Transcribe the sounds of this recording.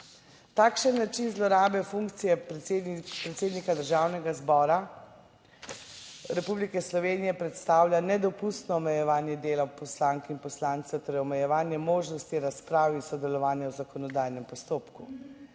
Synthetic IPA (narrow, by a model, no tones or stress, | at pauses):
t̪aːkʃənːat͡ʃinzlɔɾaːbɛfuŋkt̪sijɛed̪pɾɛt̪seːd̪nikad̪əɾʒaːwnɛɡazbɔːɾa | ɾɛpublikɛslɔʋeːnijɛpɾɛt̪st̪aːwlʲjanɛd̪ɔpust̪nɔɔmɛjɛʋaːnjɛd̪eːlapɔslaːŋkinpɔslaːnt̪sɛt̪ɛɾɔmɛjɛʋaːnjɛmoːʒnɔst̪iɾaspɾaːwisɔd̪ɛlɔʋaːnjawzakɔnɔd̪aːjnɛmpɔst̪oːpku